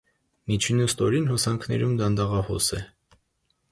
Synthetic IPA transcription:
mit͡ʃʰinust̪ɔɾinɦɔsɑŋkʰnɛ̰ɾumd̪ɑnd̪ɑʁɑhɔsɛ

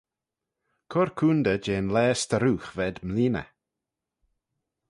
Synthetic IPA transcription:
kʰɔɾkʰuːnd̪əd͡ʒeːnlɛːst̪əɾuːxvɛd̪mliːnə̰

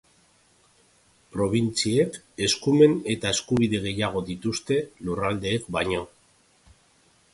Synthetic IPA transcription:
pɾo̞β̞int͡siek | e̞skume̞ne̞t̪ae̞skuβ̞iðe̞ɣ̞e̞jaɣ̞o̞ðit̪ust̪e̞lurald̪e̞ːkbajɲo̞

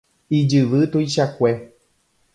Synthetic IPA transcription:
id͡ʒɨʋɨt̪uiʃakʷe

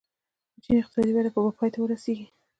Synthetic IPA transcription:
t͡ʃinɪqt̪ɪ̥sɑd̪ibaɾapəbapʰɑjt̪awəɾaseɡi

